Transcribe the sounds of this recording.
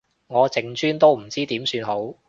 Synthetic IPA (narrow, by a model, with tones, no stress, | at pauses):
ŋɔː˨˧t͡sɪ˨ŋt͡ʃyː˥nt̪o˥wm̩˨˩t͡siː˥t̪iː˨˥msyː˧nɦo˨˥w